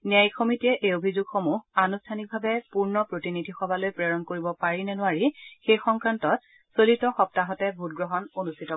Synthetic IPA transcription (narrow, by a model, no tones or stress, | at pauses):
niajxomitiɛʔeobʱizuɡxomuɦanustʰanik̚bʱabɛpuɹnɔpɹotinidʱixɔbʱalojpɹeɹɔnkoɹibɔpaɹinɛnʊwaɹixejxɔŋkɹantɔt̚ | solitɔxɔp̚taɦɔtɛbʱut̚ɡɹɔɦɔnonustʰitɔ